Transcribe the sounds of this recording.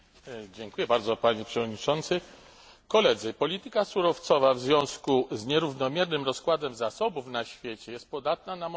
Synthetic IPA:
d͡ʑɛŋkujɛbaɾd̪zɔpaɲɛpʂɛvɔd̪ɲit͡ʂɔnt̪sɘ | kɔlɛd̪zɘpɔlʲit̪ɘkasuɾɔft̪sɔvavzvʲjɔ̃w̃skuzɲɛɾuvnɔmʲjɛɾnɘmɾɔskwad̪ɛmzasɔbufnaɕfʲjet͡ɕɛjɛst̪̚pɔd̪at̪̚nanam

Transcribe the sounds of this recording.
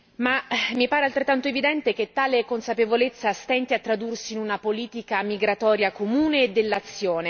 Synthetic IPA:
mamipaːɾealt̪ɾet̪ːant̪oevid̪ɛnt̪ek̟et̪ːaːlekonsapevolet̪sːast̪ɛnt̪eat̪ːɾad̪ursiːnunapoliːt̪ikamiɡɾat̪ɔːɾjakomuːneːd̪ːelːat̪sːjoːne

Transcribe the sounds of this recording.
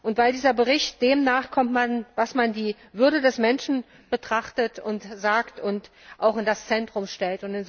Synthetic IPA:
ʔʊntv̥aɪldiːzɐbəʁɪçt̚d̥eːmnaːχkʰɔmtmanvasmandiː | vʏɐɾədɛsmɛnʃn̩ | b̥ətʁ̥aχtətʊntzaːktʊntʔaʊxɪndast͡sɛntʁ̥ʊmʃtɛltʊntɪnz

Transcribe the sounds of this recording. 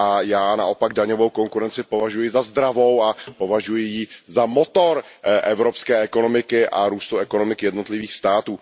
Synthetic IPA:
ʔajaːna̰ʔo̞paɡ̚daɲo̞vo̞wko̞ŋkuɾɛnt͡sɪpo̞vaʒujɪzazd̪ɾavo̞wapo̞vaʒujɪjizamo̞t̪o̞ɾʔɛvɾo̞pskɛːʔɛko̞no̞mɪkɪʔaɾuːst̪uɛko̞no̞mɪkɪjɛdno̞t̪lɪviːxst̪aːt̪uː

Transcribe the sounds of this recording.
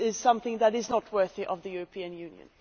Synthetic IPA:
ɪz̥sʌ̃mθɪ̃ŋðəɾɪznət̚wɜ˞θiʔʌvðɨjʊɹəpʰĩɨ̃njʉ̃njɨ̰̃n

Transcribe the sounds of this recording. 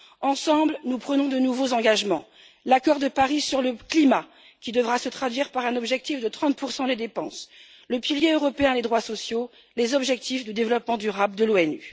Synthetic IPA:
ɑ̃sɑ̃blnupχənɔ̃d̪ənuvozɑ̃ɡaʒmɑ̃ | lakɔʁd̪əpaʁisyʁləklima | kʲid̪əvʁasət̪χad̪ɥiʁpaʁɛ̃nɔbʒɛk̚t̪ifd̪ət̪χɑ̃t̪̚puʁsɑ̃d̪ed̪epɑ̰̃s | ləpiljeøʁɔpeɛ̃led̪ʁwasɔsjo | lezɔbʒɛk̚t̪ʰifd̪əd̪evlɔpmɑ̃d̪yʁabld̪əloɛny

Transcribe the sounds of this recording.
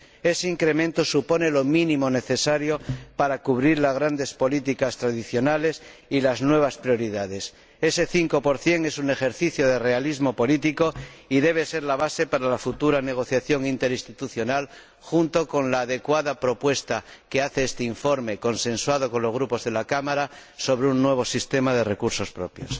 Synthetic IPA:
e̞seiŋkɾe̞mẽnt̪o̞supo̞ne̞lo̞mĩnĩmo̞ne̞θe̞saɾjo̞paɾakuβ̞ɾiɾlazɣ̞ɾand̪e̞spo̞lit̪ikast̪ɾaðiθjo̞nale̞silaznwe̞βaspɾjo̞ɾiðað̞e̞s | e̞se̞θiŋko̞po̞ɾθje̞ŋe̞sune̞xe̞ɾθiθjoð̞e̞re̞alizmo̞po̞lit̪iko̞iðe̞β̞e̞se̞ɾlaβ̞ase̞paɾalafut̪uɾane̞ɣ̞o̞θjaθjo̞ŋint̪e̞ɾĩst̪it̪uθjo̞nal | xunt̪o̞ko̞nlaːðe̞kwaðapɾo̞pwe̞st̪ake̞aθeest̪eiɱfo̞ɾme̞ko̞nsẽ̞nswað̞o̞ko̞nlo̞zɣ̞ɾupo̞zðe̞lakamaɾaso̞β̞ɾeunːwe̞β̞o̞sist̪e̞mað̞e̞rekuɾso̞spɾo̞̰pjo̞̰s

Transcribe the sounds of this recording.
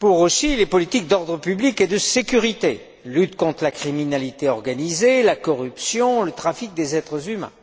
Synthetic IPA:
puʁosilepɔlit̪ik̚d̪ɔʁd̪ʁəpybliked̪əsekʲyʁit̪e | lyt̪kɔ̃t̪χəlakχiminalit̪eɔʁɡanizelakɔʁypsjɔ̃lət̪χafik̚d̪ezɛt̪χəzymɛ̰̃

